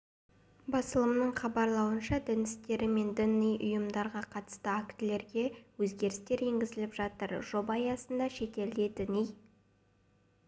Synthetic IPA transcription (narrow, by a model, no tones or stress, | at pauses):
bɑsəlˠəmnəɴχɑbɑɾlˠɑwənʃɑd̪ɪnɪst̪e̞ɾɪme̞nd̪ʏnːijʔʊ̰jəmd̪ɑɾʁɑqʰɑt̪ə̥st̪əakt̪ɪle̞ɾɡʲe̞wɵzɡʲe̞ɾɪst̪e̞ɾe̞ŋɡʲɪzɪlɪpʒɑt̪əɾʒ̥o̞bɑjɑsənd̪ɑʃe̞t̪e̞ld̪e̞d̪ɪnij